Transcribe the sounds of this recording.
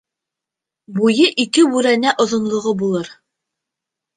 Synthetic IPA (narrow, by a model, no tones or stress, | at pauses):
bujɤʔikɘwʉɾænæʔŏðŏnlˠŏʁɤbulˠɤɾ